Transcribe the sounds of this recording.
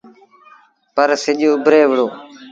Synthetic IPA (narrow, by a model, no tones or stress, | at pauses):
pəɾsɪʄʊbʱɾeːʋəɭoː